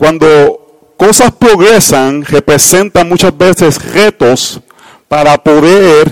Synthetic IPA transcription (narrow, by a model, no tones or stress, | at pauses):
kwand̪o | kosaspɾoɣɾesaŋrepɾese̞nt̪amut͡ʃasbesesret̪os | paɾapoðeɾ